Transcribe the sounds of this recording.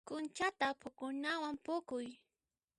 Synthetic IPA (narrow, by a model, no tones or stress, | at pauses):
kʊnt͡ʃat̪apʊkʊnawampʊkʊj